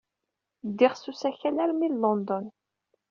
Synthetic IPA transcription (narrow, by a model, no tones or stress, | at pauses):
d̪ːɪʁsusæçælæɾmillɔnd̪ɔn